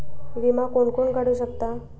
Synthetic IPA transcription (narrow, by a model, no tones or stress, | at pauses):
ʋimakoɳkoɳkaɽ̤uːɕək̚t̪a